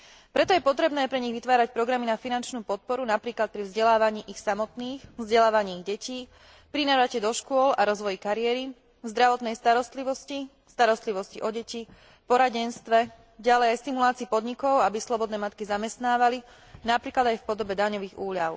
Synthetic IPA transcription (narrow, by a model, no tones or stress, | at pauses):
pɾɛt̪ɔjɛpɔt̪ɾɛbnɛːpɾɛɲiɣʋit̪ʋaːɾac̚pɾɔɡɾaminafinant͡ʃnuːpɔt̪̚pɔɾunapɾiːklat̪̚pɾivzɟɛlaːʋaɲiːʔixsamɔt̪niːxvzɟɛlaːʋaɲiːɣɟɛciː | pɾinaɾacɛd̪ɔʃkʊɔlaɾɔzʋɔjikaɾiɛɾi | zd̪ɾaʋɔt̪nɛjst̪aɾɔst̪liʋɔsci | st̪aɾɔst̪liʋɔsciʔɔɟɛci | pɔɾaɟɛnst̪ʋɛ | ɟalɛjajst̪imulaːt͡siːpɔd̪ɲikɔʊabislɔbɔd̪nɛːmat̪̚kizamɛst̪naːʋali | napɾiːklad̪ajfpɔd̪ɔbɛd̪aɲɔʋiːɣuːʎaʊ